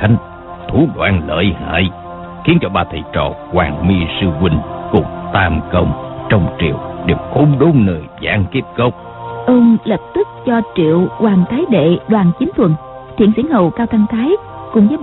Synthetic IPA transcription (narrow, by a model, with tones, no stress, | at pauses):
a˨˦ŋ | t̪ʰu˧˦ɗwa̰ː˧˩nlə̰ː˧˨˩jha̰ː˧˨j | xi˨˦ənt͡ɕɔ˧ɓaː˧˩t̪ʰə˨˩jt͡ɕɔ̰˧˩kwaː˨˩ŋmi˧sɨ˧kwi˧ŋ̟kʊ˨˩ŋ͡mt̪aː˧mkə˧wŋ͡mt͡ɕɔ˧wŋ͡mt͡ɕḭ˧˨əwɗe˨˩mxo˨˦mɗo˨˦ŋ͡mnəː˨˩jza̰ː˧˥ŋki˦˥əp̚kə˦˥wk͡p̚ | ʔəː˧nlə˨˩p̚t̪ɨ˦˥k̚t͡ɕɔ˧t͡ɕḭ˧˨əwkwaː˨˩ŋt̪aː˨˦jɗḛ˧˨ɗwaː˨˩nt͡ɕï˨˦ŋ̟t̪ʰwə˨˩n | t̪ʰḭ˧˨ənsi˧˩ənhə̰˧˨wkaː˧wt̪ʰa˧ŋt̪ʰaː˨˦j | kʊ̰˧˩ŋ͡mzəː˨˦